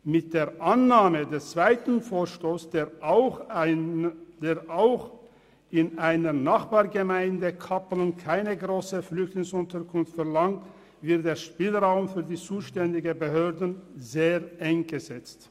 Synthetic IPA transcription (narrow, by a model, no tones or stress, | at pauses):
mɪt̚d̥eːɐʔanːaːmədɛst͡sv̥aɪtn̩foːʃtoːsd̥eːʔʊx | deːʁʔaʊx | ʔɪnʔaɪnənaχb̥aːɐɡəmaɪndəkʰaplnkʰaɪnəɡʁoːsəflʏçtlɪŋsʊntəʁkʰʊnftfɛɐlaŋt | v̥ɪɐt̚d̥eːɐʃpiːlʁaʊmfyːɐdiːt͡suːʃtɛndɪɡəbəɦøːɐdn̩zeːʁʔɛŋɡ̥əzɛt͡st